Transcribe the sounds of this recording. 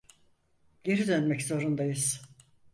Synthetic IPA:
ɟe̞ɾid̪ønmɛczo̞ɾund̪ajɯz̥

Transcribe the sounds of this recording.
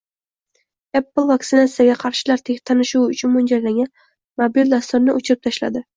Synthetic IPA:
epːɨlˠvaktsɪnat̪sijaɡʲaqʰɑɾʃɪlaɾt̪ʰet̪ʰanɪʃuwʊt͡ʃʰʊnmʊnd͡ʒajlaŋʲan | mobild̪ast̪ʊɾnɪʔot͡ʃʰɪɾɪp̚t̪ʰaʃla̰d̪ɪ

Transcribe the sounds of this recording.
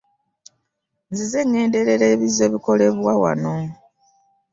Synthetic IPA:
nzize̞ŋːe̞ːnde̞ɾe̞ɾeːβize̞βiko̞le̞βwawa̰no̞

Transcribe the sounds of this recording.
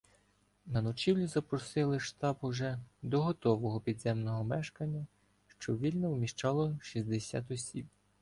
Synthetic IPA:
nɐnɔt͡ʃiwlʲizɐpɾɔsɪlˠɪʃt̪ɑbuʒɛd̪ɔɦɔt̪ɔʋɔɦɔpʲid̪zɛmnɔɦɔmɛʃkɐnʲːɐ | ʃt͡ʃɔʋʲilʲnɔwmʲiʃt͡ʃɑlˠɔʃizʲd̪esʲa̰t̪ɔsʲib

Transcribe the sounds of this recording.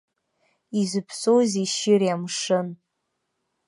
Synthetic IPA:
izɨpʰsowziʃɪrjamʂɨn

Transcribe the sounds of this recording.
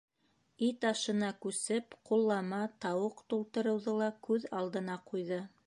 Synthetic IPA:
it̪ɑʃɤ̆nɑkʉsɘpqulˠːɑmɑt̪ɑwɤqt̪ulˠt̪ɤ̆ɾɤ̆wðɤlˠɑkʉðɑlˠd̪ɤ̆nɑqujðɤ

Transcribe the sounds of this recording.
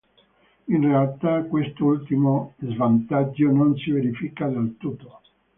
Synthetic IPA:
inrealt̪akwest̪oult̪imozvant̪ad͡ʒːononsiveɾifikad̪elt̪ut̪ːo̥

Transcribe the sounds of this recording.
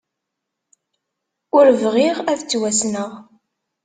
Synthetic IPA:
ʊɾvʁiʁæθt͡sːwæsnəʁ

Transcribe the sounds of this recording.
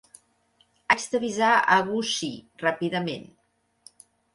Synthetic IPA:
azd̪əβizaəɣusirapiðəmḛn

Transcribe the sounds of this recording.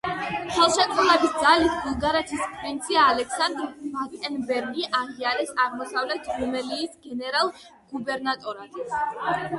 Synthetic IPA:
χɛlˠʃɛkʼuɾɛbisd̪zalisɡulˠɡaɾɛt̪ʰispʰʼvint̪sʰiaːlɛksand̪ɾmakʼɛnbɛɾɡiʔaʁiaɾɛsaʁmɔsavlɛt̪ʰɾumɛliːsɡɛnɛɾalˠ | ɡ̥ubɛɾnat̪ʼɔɾad̪

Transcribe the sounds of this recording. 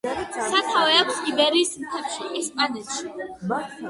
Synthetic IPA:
sat̪ʰavɛaksibɛɾiːsmt̪ʰɛpʃiʔɛspʼanɛt̪ʃi

